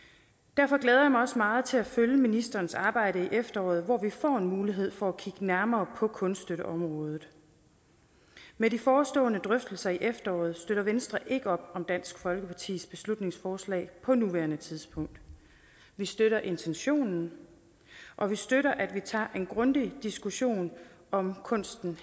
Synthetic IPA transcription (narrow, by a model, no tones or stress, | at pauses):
d̥æɐfɒ̽ɡ̥lɛːð̞ˠɐjɑmɑɒ̽smɑ̈ːð̞̩ˠt͡sʰe̝læføljəminisd̥ɐːnsɑ̈ːb̥ɑ̈ɪ̰ɾəiʔefd̥ɐɒ̰ːð̩ˠʋɒʋifɒ̰ːe̝nmuːliɦe̝ð̰ˠfɒ̽ækʰiɡ̥ənæɐmɐːpʰɒ̽kʰɔ̽nsd̥øɾəʔɒ̽mʁɔ̽ːð̞ˠð̩ˠ | medifɒːsd̥ɔ̰ːnəd̥ʁœfd̥l̩sɐiʔefd̥ɐɒ̰ːð̞̩ˠsd̥øɾ̥ɐʋensd̥ʁɐʔe̝ɡ̥əɒ̽b̥ɒ̽md̥æn̰sɡ̥fɒ̽lɡ̥əpʰɑ̈t͡sʰḭːsb̥e̝slud̥ne̝ŋsfɒːslɛ̰ːɪpʰɒ̽nuʋæɐnət͡sʰiðˠspʰɔ̽ŋ̰d̥ | ʋisd̥øɾɐʔe̝nt͡sʰenɕo̝̰ːnn̩ | ʔɒ̽ʋisd̥øɾɐʔæd̥ʋit͡sʰɑ̰̈ːʔe̝nɡ̥ʁɔ̽nd̥id̥isɡ̥uɕo̝̰ːnɒ̽mkʰɔ̽n̰sd̥n̩